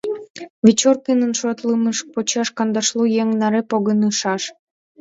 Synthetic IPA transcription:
vit͡ɕorkinənʃot̪lɨməʃ̚pot͡ɕɑʃkɑnd̪ɑʃlujeŋnɑɾepoɣənɯʃɑʃ

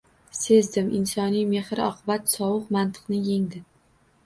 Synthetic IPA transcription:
se̞zd̪ɪmʔɪnsɒnijme̞hɾɪɒqʰɨbat̪sɒwʊqmant̪ʰɨ̥qnɪje̞ŋd̪ɪ

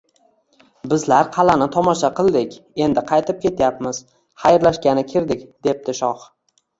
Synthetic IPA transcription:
bɪzlaɾqʰɑlanɪt̪ʰɒmɒʃaqɨlˠd̪ɪkʲe̞nd̪ɪqʰɑjt̪ʰɪp̚kʲe̞t̪ʰjapmɪz̥ | χajɾlaʃkʲanɪkʲʰɪɾd̪ɪkʲd̪e̞p̚t̪ɪʃɒχ

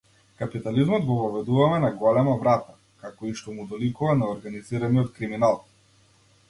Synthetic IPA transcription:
kapit̪alizmɔd̪ɡɔvɔvɛd̪uvamɛnaɡɔlɛmavɾat̪a | kakɔiʃt̪ɔmud̪ɔlikuvanaɔɾɡaniziɾaniɔt̪̚kɾiminalˠ

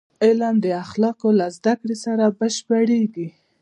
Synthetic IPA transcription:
ɪlamd̪əaxlɑkolazd̪akɽesaɾabaʃpaɽeɡi

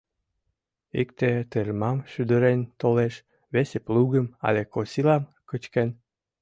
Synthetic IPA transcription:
ikt̪et̪ermɑmʃyd̪ə̆ɾent̪oleʃ | βesepluɣəmɑ̰lʲekosilɑmkət͡ɕken

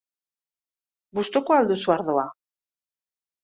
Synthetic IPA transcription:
bust̪okoald̪usuaɾðo̞a

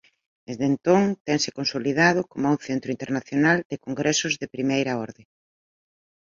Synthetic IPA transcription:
d̪ezðent̪oŋt̪ɛŋsɪ̥konsoliðað̞ʊkomw̃θent̪ɾʊint̪eɾnaθjonald̪ɪkoŋɡɾʔɛsʊzðepɾimejɾɐɔɾðe

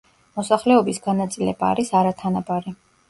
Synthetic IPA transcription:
mɔsaχlɛɔbisɡanat̪sʼilɛbaːɾisaɾat̪ʰanabaɾi

